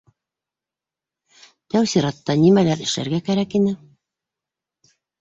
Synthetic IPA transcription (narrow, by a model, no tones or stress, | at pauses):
t̪æwsiɾɑt̪ːɑnimælæɾɘ̆ʃlæ̰ɾɡækæɾækinɘ